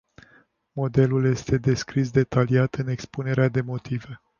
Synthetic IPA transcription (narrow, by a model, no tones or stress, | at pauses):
mo̞d̪e̞lulje̞st̪e̞d̪e̞skɾis̬d̪e̞t̪aliat̪ɨne̞kspune̞ɾead̪e̞mo̞t̪ive̞